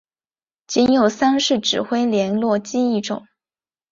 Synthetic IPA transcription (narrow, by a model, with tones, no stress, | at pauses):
t͡ɕi˧˥njo˨˩ʊsa˥nʂɻ̩˥˩ʈ͡ʂɻ̩˨˩xwe˥ɪljɛ˧˥nlwɔ˥˧t͡ɕi˥i˥˩ʈ͡ʂʊ̰˨˩˦ŋ